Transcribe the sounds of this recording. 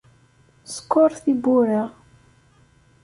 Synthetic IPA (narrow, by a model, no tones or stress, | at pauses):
sə̥kːoɾˤθibuɾa